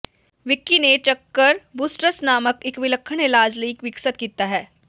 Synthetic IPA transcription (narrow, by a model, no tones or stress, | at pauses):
ʋɪkːinet͡ʃɐkːəɾbusʈɾəsnaːməkɪkʋɪləkʰːəɽ̃eːlaːd͡ʒləiːkʋɪksəd̪̚kiːt̪aɦɛː